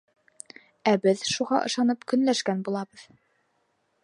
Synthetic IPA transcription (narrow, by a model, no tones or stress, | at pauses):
æbɘðʃuʁɑ̰ʔɤ̆ʃɑnɤpkɵ̆nlæʃkænbulˠɑbɤð